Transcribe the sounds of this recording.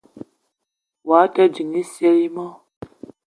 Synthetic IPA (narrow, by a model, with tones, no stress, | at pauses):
wa˨˦ta˦d͡ʒi˨ni˦se˦ɾi˦ma˦